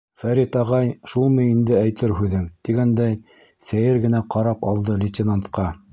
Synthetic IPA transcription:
fæɾit̪ɑʁɑjʃulˠmɤjind̪ɘæjt̪ɘɾɦʉðɘŋt̪iɡænd̪æj | sæjɘɾɡɘ̆næqɑɾɑpɑ̰lˠd̪ɤlʲit̪ʲɪnant̪qɑ

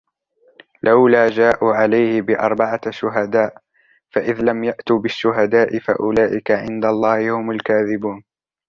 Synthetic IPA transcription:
lʔawlaːd͡ʒaːʔuːʕalajhɪbɪʔɑ̰ɾˤbaʕaʃʊɦad̪aːʔ | faʔɪðlamjaʔt̪uːbɪʃːʊɦad̪aːʔɪfa̰ʔʊlaːʔɪkaʕɪnd̪alˤːɑːhɪhʊmʊlkaːðɪbuːn

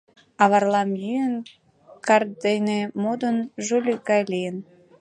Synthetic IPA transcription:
ɑβɑrlɑmjyən | kɑrd̪enemod̪ənʒulʲyɡɑjlʲijən

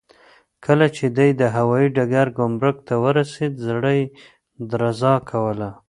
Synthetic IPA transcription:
kʰəlat͡ʃed̪ajd̪əɦawɑjiɖaɡaɾɡomɾʊk̚t̪awəɾased̪zɽəj | d̪ɾazɑkʰawəla

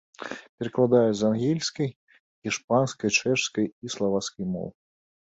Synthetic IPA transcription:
pʲɛɾɨklˠad̪ajɛzanɣʲelʲskɐj | xʲiʂp̚anskɐjt͡ʂɛʂskɐjislˠavat̪skɐjmɔ̰w

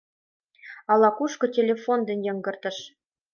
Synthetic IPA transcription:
ɑlˠɑkuʂkɤ̆tʲelʲefond̪ɘ̆nʲjɤ̆ŋɡɤ̆rt̪ɤ̆ʃ

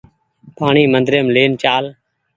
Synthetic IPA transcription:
paːɳiːmənd̪ɾeːmleːnt͡ʃaːl

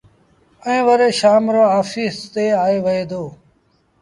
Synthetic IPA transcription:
əẽːʋəɾeːʃaːmɾoːaːfiːst̪eːaːeːʋəɦeːd̪oː

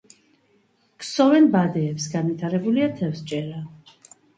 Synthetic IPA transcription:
ksɔvɛnbad̪ɛːpsɡanvit̪ʰaɾɛbuliat̪ʰɛfst͡ʃʼɛɾa

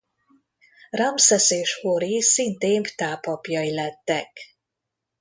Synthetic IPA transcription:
ramsɛseːʃhoɾisint̪eːmft̪aːpɒpjɒilɛt̪ːɛk

